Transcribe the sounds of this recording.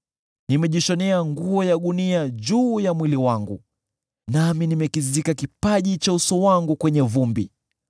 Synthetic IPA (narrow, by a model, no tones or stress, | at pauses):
nimɛʄiʃɔnɛaŋɡuɔjaɠuniaʄuːjamwiliwaŋɡu | naminimɛkizikakipaʄit͡ʃausɔwaŋɡukwɛɲɛvumbi